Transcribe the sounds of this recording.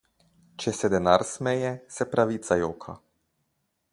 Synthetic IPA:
t͡ʃɛsɛd̪ɛnaɾsmɛjɛsɛpɾaʋiːt̪sajoːkʰa

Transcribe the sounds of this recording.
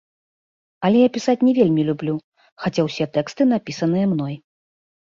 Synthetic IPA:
ɐlʲɛjapʲisat͡sʲnʲɛvʲelʲmʲilʲublʲu | xat͡sʲawsʲɛt̪ɛkst̪ɨn̪apʲisɐn̪ɨjɐmn̪ɔj

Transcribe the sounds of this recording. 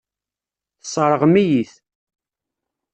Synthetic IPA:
θə̥sˤːɾˤəʁmijiθ

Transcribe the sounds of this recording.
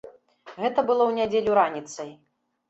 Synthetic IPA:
ɣɛt̪ɐbɨlˠɔwnʲad͡zʲelʲuɾanʲit̪sɐj

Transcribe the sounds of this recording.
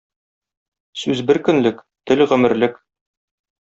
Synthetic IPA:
sʉzbɘɾkɵ̆nlɘk | t̪ɘlʁɵ̆mɘ̆ɾlɘk

